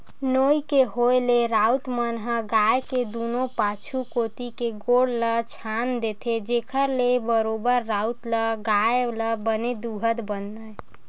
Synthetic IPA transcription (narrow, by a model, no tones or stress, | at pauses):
nojkeɦojleɾawt̪mənɦəɡajked̪unopat͡ʃʰukot̪ikeɡoɽlət͡ʃʰand̪et̪ʰed͡ʒekʰəɾlebəɾobəɾːaut̪ləɡajləbəned̪uɦət̪bənːəj